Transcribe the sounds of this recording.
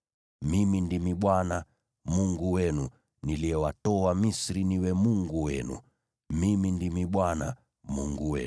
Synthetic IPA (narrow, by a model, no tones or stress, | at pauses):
mimindimiɓwana | muŋɡuwɛnu | niliɛwatɔwamisɾiniwɛmuŋɡuwɛnṵ | mimindimiɓwana | muŋɡuwɛ̰